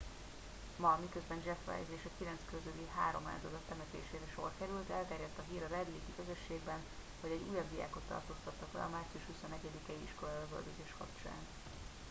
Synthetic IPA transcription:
mɒmikø̞zbɛnd͡ʒɛfrɛ̰jzeːʃɒkilɛnskøzøliɦaːɾo̞ma̰ːzɒd̪ɒt̪ːɛmɛt̪ḛːʃeːɾɛʃo̞̰rkɛɾylt̪ɛlt̪ɛɾjɛt̪ːɒɦiːɾɒɾɛd̪liːkikøzø̞ʃːeːɡbɛn | hoɟɛɟuːjɒbd̪ija̰ːko̞t̪ːɒ̰rt̪o̞ːst̪ɒt̪ːɒkbɛ̰ɒmaːrt̪siuʃhusonɛɟɛd̪ikɛiḭʃko̞lɒløvø̰ld̪øzeːʃhɒ̰t͡ʃa̰ːn

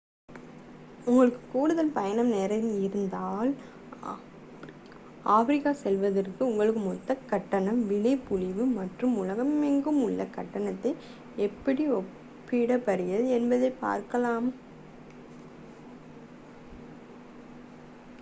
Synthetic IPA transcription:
ʊŋɡɐɭɯkːɯkuːɽɯðɐlpɐjɐnɐmnɛɾɐnɪɾɯnd̪aːl | aːfɐɾɪkːaːsɛlʋɐðɐrkɯʊŋɡɐɭɯk̬ːɯmɔt̪ːɐkɐʈːɐɳɐmʋɪɽɐɪpʊɻɪʋɯmɐʈrɯmʊlɐɣɐmɛŋɡɯmʊɭːɐkɐʈːɐɳɐt̪ːɐɪ | ɛpːɐɽiɔpː | ɪɽɐpɐɾɪjɐðɛnbɐðɐɪpa̰ːɾkɐlaːm

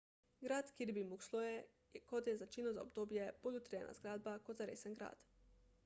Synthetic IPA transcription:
ɡɾaːt̪kiɾbimukslɔjɛ | kɔt̪jɛzat͡ʃinɔza̰obd̪oːbjɛb̥oːlʲut̪ɾijɛ̰nʔa̰zɡɾaːd̪̚bakod̪zaɾḛːsənɡɾa̰ːt̪

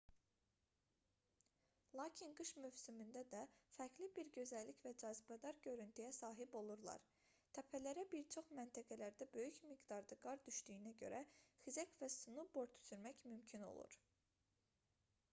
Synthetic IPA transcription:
lˠɑːcʰinɡɯʃmyvsymynd̪æd̪æfæɾkʰlibiɾɟø̞zælːicvæd͡ʒɑːzibæd̪ɑɾɟø̞ɾynt̪ʰyjæsɑːɦibo̞lˠuɾlˠɑ̰ɾ | t̪ʰæpʰælæɾæbiɾt͡ʃʰo̞χmænt̪ʰæɡælæɾd̪æbø̞jycmiɡd̪ɑɾd̪ɯɡɑɾd̪yʃt̪yjːnæɟø̰ɾʔæxizæcvæsunubo̞ɾt̪ʰy̥syɾmæcmymcʰino̞̰lˠṵɾ

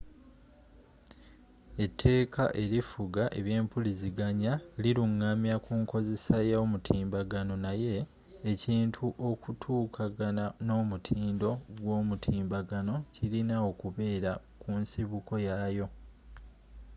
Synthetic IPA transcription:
e̞tʰːe̞ːkʰaʔe̞lifuɡaʔe̞̰βje̞ːmpuliziɡaɲaliɾuŋːamjakuːŋko̞ze̞sajaomutʰiːmbaɡano̞naje̞ː | ciːntʰuʔo̞kutʰuːkʰaɡanano̞ːmutʰiːndo̞ɡwo̞ːmutʰiːmbaɡano̞cilinao̞kuβe̞ːɾa | kunsiβuko̞jajo̞

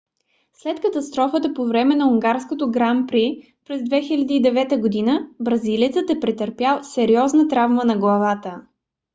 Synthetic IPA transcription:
slɛt̪kət̪ɐst̪ɾɔfət̪əpovɾɛmɛnɐuŋɡaɾskot̪oɡɾampɾi | pɾɛzd̪vɛxilʲɐd̪iːd̪ɛvɛt̪əɡod̪inəbɾɐziliət̪sət̪ɛpɾɛt̪əɾpjalˠsɛɾiɔznət̪ɾavmənɐɡlˠɐvat̪ə

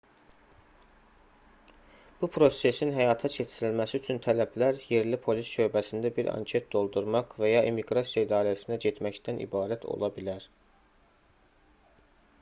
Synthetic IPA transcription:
b̥upʰɾo̞se̞sinɦæjɑːt̪ʰɑt͡ʃʰe̞t͡ʃʰiɾilmæsiyt͡ʃʰynt̪ʰælæblæɾje̞ɾlipʰo̞lisʃø̞bæsind̪æbiɾɑ̰ɲcʰe̞t̪̚d̪o̞lˠd̪uɾmɑʁvæjɑemiɡɾɑsijɑid̪ɑːɾæsinæɟe̞t̪ʰmæcd̪ænʔḭbɑːɾæt̪ʰo̰lˠɑbilæɾ

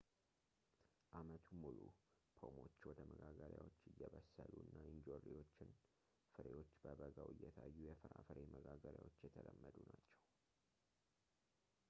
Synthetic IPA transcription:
ʔamət̪ʰumulu | pʰomo̞t͡ʃːwɔd̪əməɡaɡəɾjawo̞t͡ʃːɨjːɛβəsːəluɨnːaɪnd͡ʒorːiwo̞t͡ʃːɪn | fɨɾewo̞t͡ʃːbəbəɡawɨjːɛt̪ʰajːujɛfɨɾafɨɾeməɡaɡəɾja̰wo̞t͡ʃːjɛt̪ʰələmːəd̪unat͡ʃːɛw

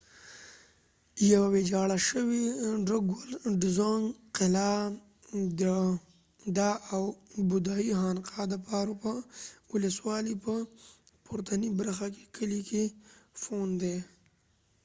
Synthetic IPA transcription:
jawawed͡ʒɑɽaʃəwiɖəɡwolɖɪzaŋɡqɪla | d̪ə | d̪ɑawbʊd̪ɑiɦɑnqɑd̪əpɑɾopəwʊləswɑlipə | pʰʊɾt̪ʰanibaɾxake̥kʰəlikʰefond̪e

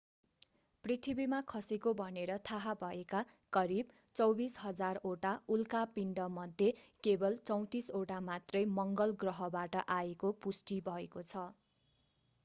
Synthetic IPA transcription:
prit̪ʰibimakʰʌsekobʱʌneɾʌt̪ʰaɦabʱʌeka | kʌɾib | t͡sʌwbisɦʌd͡zaroʈaulkapiɳɖʌmʌd̪ʱːjekebʌlt͡sʌw̃t̪isoʈamat̪rʌjmʌŋɡʌlɡrʌɦʌbaʈʌʔaekopusʈibʱʌekot͡sʰʌ

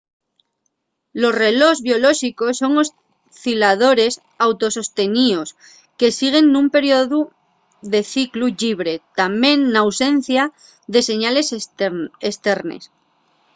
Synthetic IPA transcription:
lo̞sre̞lo̞zβjo̞lo̞ʃiko̞sːo̞ŋo̞s | θilað̞o̞ɾe̞s | awt̪o̞so̞st̪e̞nio̞s | ke̞siɣ̞e̞nːumpe̞ɾjo̞ðu | ðe̞θikluʎiβ̞ɾe̞t̪amjẽ̞nːawse̞n̟θja | ðe̞se̞ɲale̞s | est̪e̞ɾnḛs

